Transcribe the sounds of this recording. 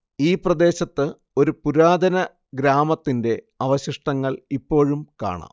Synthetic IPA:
iːprɐd̪e̞ːɕɐt̪ːɨ | o̞ɾupuɾaːd̪ʱɐnɐ | ɡɾaːmɐt̪ːinde̞ | ɐʋɐɕiʂʈɐŋːɐɭipːo̞ːɻumka̰ːɳa̰ː

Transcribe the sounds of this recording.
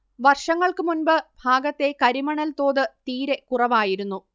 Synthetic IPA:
ʋɐrʂɐŋːɐɭkɨmunbɨbʱaːɡɐt̪ːe̞kɐɾimɐɳɐlt̪o̞ːðɨt̪iːɾe̞kurɐʋaːjiɾunːu

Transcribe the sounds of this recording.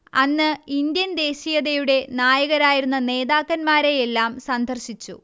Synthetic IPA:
ɐnːɨind̪jɐnd̪e̞ːɕijɐðejuɽe̞naːjɐɣɐɾaːjiɾunːɐne̞ːðaːkːɐnmaːɾejelːaːmsɐnd̪ʱɐrɕit͡ɕːṵ

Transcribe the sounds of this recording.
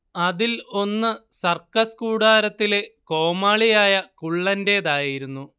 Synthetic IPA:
ɐðilo̞nːɨsɐrkɐskuːɽaːɾɐt̪ːile̞ko̞ːmaːɭijaːjɐkuɭːɐnde̞ːðaːjiɾunːu

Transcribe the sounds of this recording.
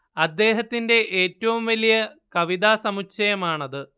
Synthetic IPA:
ɐd̪ːe̞ːɦɐt̪ːinde̞ʔeːtːɐʋumʋɐlijɐkɐʋiðaːsɐmukt͡ɕɐjɐmaːɳɐðɨ

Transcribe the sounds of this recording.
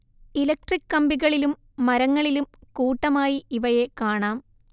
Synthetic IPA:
ilɐk̚ʈrikːɐmbiɣɐɭilumː | ɐɾɐŋːɐɭilumkuːʈːɐmaːjiiʋɐje̞kaːɳaːm

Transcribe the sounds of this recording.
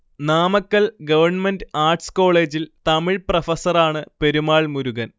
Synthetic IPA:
naːmɐkːɐɭɡɐʋɐrɳmendɨaːrʈsko̞ːɭe̞ːd͡ʑilt̪ɐmiɭprɐfɐsɐraːɳɨpe̞ɾumaːɭmuɾuɣɐn

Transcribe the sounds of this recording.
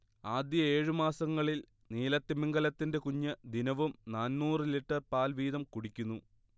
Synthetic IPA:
aːd̪jɐe̞ːɻumaːsɐŋːɐɭil | niːlɐt̪ːimiŋɡɐlɐt̪ːinde̞kuɲːɨd̪inɐʋumnaːnmuːrɨliʈːɐrpaːlʋiːðɐmkuɽikʲːunːu

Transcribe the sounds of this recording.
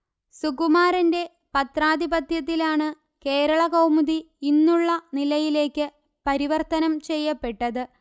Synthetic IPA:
sukumaːɾɐnde̞ | pɐt̪raːd̪ibɐt̪ʰjɐt̪̬ːilaːɳɨ | ke̞ːɾɐɭɐɣɐwmuði | inːuɭːɐnilɐjile̞ːkːɨ | pɐɾiʋɐrt̪ɐnɐmt͡ɕe̞jːɐpːe̞ʈːɐðɨ

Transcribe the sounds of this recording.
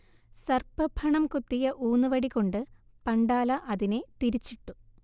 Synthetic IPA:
sɐrpɐbʱʰɐɳɐmkut̪ːijɐʔuːnːɨʋɐɽikːo̞ɳɖɨ | pɐɳɖaːlɐʔɐðine̞t̪iɾit͡ɕːiʈːu

